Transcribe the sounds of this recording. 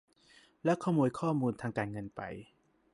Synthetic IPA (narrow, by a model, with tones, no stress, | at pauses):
lɛ˦˥wkʰaː˥˩muː˧jkʰɔː˥˩muː˧nt̪ʰaː˧ŋkaː˧nŋɤ˧npa̰˧j